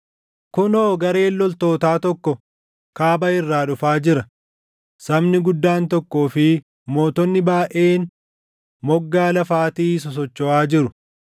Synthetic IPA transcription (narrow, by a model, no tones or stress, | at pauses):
kʊnoːɡɐɾe̞ːlːɔlt̪o̞ːt̪aːt̪ɔkːɔ | kaːbɐɪrːaːᶑʊfaːd͡ʒɪɾɐ | sɐbnɪɡʊd̪ːaːnt̪ɔkːo̞ːfɪ | mo̞ːt̪ɔnːɪbaːʔe̞ːn | mɔɡːaːlɐfaːt̪iːs̬ɔs̬ɔt͡ʃːɔʔaːd͡ʒɪɾʊ